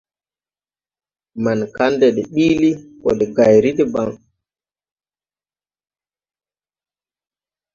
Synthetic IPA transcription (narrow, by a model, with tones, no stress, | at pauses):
ma˨nka˦ndɛɗɛ˨ɓiːli˦kɔ˨ɗɛ˨ɡa˨jɾi˦ɗɛ˦ba˦ŋ